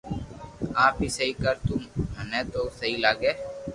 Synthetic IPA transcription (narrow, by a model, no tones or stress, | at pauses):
aːpiːsəɦiːkəɾt̪ʊmɦənɛ̃ːt̪oːsəɦiːlaːɡeː